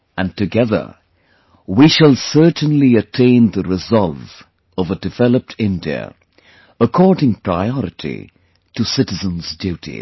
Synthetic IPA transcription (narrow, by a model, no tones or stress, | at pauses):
ɨ̃ntɨɡɛðə̰˞ | wiʃəlˠsɜ˞tnliɨtʰẽɪ̃nðəɹɪzɑlˠv | ʌvədɨvɛlˠəp̚tʰɪ̃ndiɨ̰ | əkʰɔɹdɪ̃ŋpʰɹaɪɔɹɨtʰḭ | tɨsɪɾɨzə̃nzdjʉɾḭ